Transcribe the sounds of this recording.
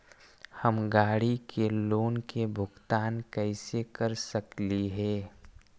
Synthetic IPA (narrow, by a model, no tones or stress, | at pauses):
həmɡaːɽikeloːnkebʱʊɡt̪aːnkɛɪsekəɾsəkliɦɛː